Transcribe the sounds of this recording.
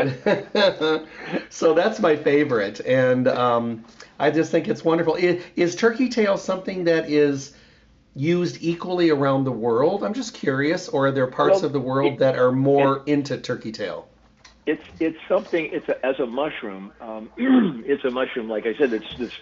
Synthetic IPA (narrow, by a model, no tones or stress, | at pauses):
soʊðætsmaɪfeɪvə˞ɪtɨ̃nʌ̃mʔaɪd͡ʒʌstθɪ̃ŋkɨtswʌ̃ndə˞fl̩ˠɪɪz̥tʰɜ˞kitʰeɪlˠsʌ̃mθɪ̃ŋðɨɾɪz | jʉzdikwl̩ˠiə˞ãʊ̃nðəwɜ˞lˠdãɪ̃md͡ʒʌskʰj̥ʊɹiɨsə˞ə˞ðə˞pʰɑɹsʌvðəwɜ˞lˠd̪̚ðɨɾə˞mɔɹɪ̃ntʉtʰɜ˞kitʰeɪlˠ | ɪtsɪtsʌ̃mθɪ̃ŋɪtsɨzəmʌʃɹʉ̃mʌ̃ | ɪtsɨmʌʃɹʉ̃mlaɪkaɪsɛdɨtsɨts